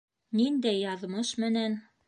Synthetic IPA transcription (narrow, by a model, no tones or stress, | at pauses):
nind̪æjːɑðmɤʃmɘ̆næn